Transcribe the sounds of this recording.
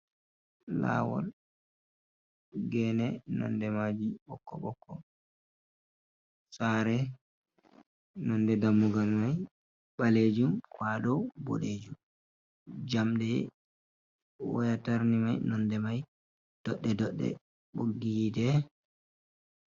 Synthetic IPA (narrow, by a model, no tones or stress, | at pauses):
la̰wɔ̰l | ɡɛnɛnɔ̰ndɛmad͡ʒiɓɔkːɔɓɔkːɔ | saɾɛ | nɔndɛdamːuɡalmaj | ɓaled͡ʒumkwadɔbo̰ɗeːd͡ʒum | d͡ʒamɗɛ | wajataɾnimajnɔndɛmaj | d̥ɔɗːɛdɔɗːɛ̰ | ɓoɡːidɛ